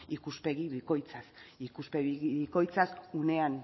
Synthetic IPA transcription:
ikuspe̞ɣiβiko̞jt͡sasikuspe̞ɣiɣiβiko̞jt͡sasune̞an

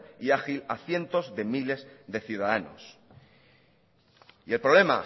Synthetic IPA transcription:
iaxilaθje̞nt̪o̞zðe̞mile̞zðe̞θjuð̞aðano̰s | ie̞lpɾoβle̞ma̰

